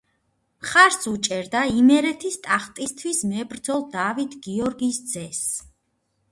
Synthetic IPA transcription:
χaɾsut͡ʃʼɛɾd̪aimɛɾɛt̪ʰist̪ʼaχt̪ʼist̪ʰwismɛbɾd̪zɔlˠd̪avit̪ʰɡiɔɾɡisd̪zɛs

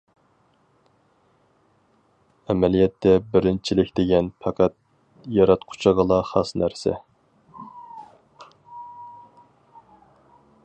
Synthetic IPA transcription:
ɛmɛlijɛt̪ːɛbɪɾɪnt͡ʃʰilɪkʲd̪̥eɡʲɛnpʰɑqʰæt̪̚ | jɑɾɑt̪qʰʊ̥t͡ʃʰɑʁəlˠɑχɑsnæɾsɛ̰

